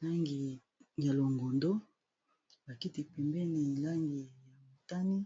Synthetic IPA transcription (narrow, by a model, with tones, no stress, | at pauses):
la˦ŋɡi˨ | ja˨lo˨ŋɡo˨ndo˦ | ba˨ki˦ti˨pɛ˨mbe˦ni˨la˦ŋɡi˨ja˨mo˨ta˦ni˦